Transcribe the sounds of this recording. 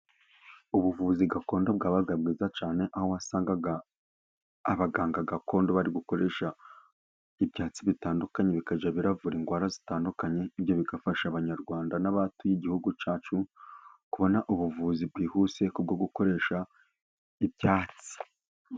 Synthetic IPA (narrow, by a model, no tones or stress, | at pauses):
uβuvuːziɡako̞ːndo̞b̚ɡaːβaɡabɡiːzat͡ʃaːne̞ʔahowasaːŋɡaɡaː | βaɡaːŋɡaɡako̞ːndo̞βaɾiɡuko̞ɾe̞ʃa | ibjaːt͡siβitaːndukaɲe̞βikaʒaβiɾavuɾiːŋɡwaːɾazitaːndukaɲe̞iβjo̞βiɡafaʃaβaɲaɾɡwaːndanaβaːtujiɟihuɡut͡ʃaːt͡ʃukuβo̞naʔuβuvuzibɡiːhuːse̞kub̚ɡo̞ɡuko̞ɾe̞ːʃa | ibjaːt͡si̥